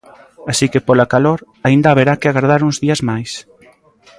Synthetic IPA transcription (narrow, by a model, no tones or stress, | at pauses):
asikepolakaloɾ | aind̪aβeɾakɪaɣaɾð̞aɾuŋzðiɐzmajs